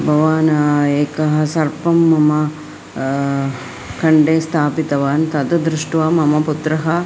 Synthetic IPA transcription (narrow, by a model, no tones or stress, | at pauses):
bʱɐʋaːnɐeːkɐɦɐ̆sɐɾpɐmːɐmɐ | kɐɳɖeːst̪ʰaːpit̪ɐʋaːnt̪ɐd̪ɐd̪ɾuʂʈʋaːmɐmɐput̪ɾɐɦɐ